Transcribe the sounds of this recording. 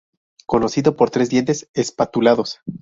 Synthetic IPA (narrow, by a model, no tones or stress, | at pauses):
ko̞no̞siðo̞po̞ɾt̪ɾe̞zðje̞nt̪e̞sespat̪ulaðo̞s